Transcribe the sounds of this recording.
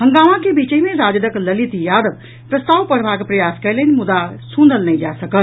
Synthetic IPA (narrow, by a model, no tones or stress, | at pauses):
ɦəŋɡamãkebit͡ʃəimeɾad͡ʒd̪əkləlit̪jad̪əb | pɾəst̪aʋpəɽ̤bakepɾəjaskɛlənmud̪asũnd̪əlnəjd͡ʒasəkəl